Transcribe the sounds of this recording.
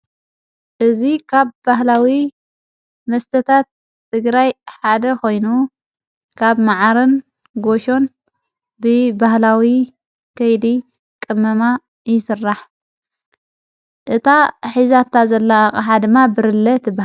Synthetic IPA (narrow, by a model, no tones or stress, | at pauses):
ʔɨzikʰaβbaɦlawi | mɐst̪ʰɐt̪ʰat̪ː | ɨɡɾajħad̪ɐko̞jnu | kʰaβmaʕaɾɨn | ɡo̞ʃo̞n | bɨbahlawi | kʰɐjd̪i | kʼɨmːɐma | jɪsɨrːaħ | ʔɨt̪ʰaħizat̪ʰazɐlːakʼɐħad̪ɨmːabɨɾɨlːɐt̪b